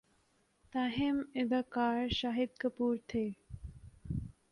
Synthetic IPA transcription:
t̪aɦemɪd̪akaːɾʃaɦid̪̚kɐpuːɾt̪ʰeː

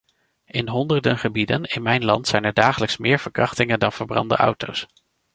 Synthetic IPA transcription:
ɪnɦɔndəɹdənχəbidənɪnmɛjnlɑntsɛjnɛɹdaːχələksmɪːɹv̥əɹkrɑχtɪŋəndɑnv̥əɹbrɑ̰ndə̰ʔʌ̰wtows

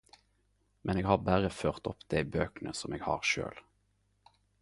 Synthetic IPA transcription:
mɛneːɡhɑːʁbæʁəføːʁt̪ɔpd̪̥æɪbøːknəsɔmeːɡhɑ̰ːʁʃø̰ːl

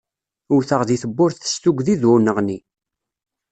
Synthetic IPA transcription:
ʊɾθəʁðiθəbːʊɾθə̥st̪ʊɡðiðʊnəʁni

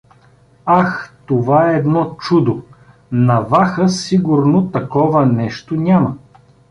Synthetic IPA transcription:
axt̪ovaɛːd̪nɔt͡ʃud̪o | nɐvaxəsiɡʊɾnot̪ɐkɔvɐnɛʃt̪onʲamə

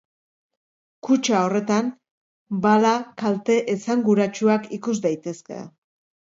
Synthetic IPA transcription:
kut͡ʃao̞re̞t̪an | balakalt̪e̞ʔesaŋɡuɾat͡ʃuakikuzd̪ajt̪e̞ske̞̰

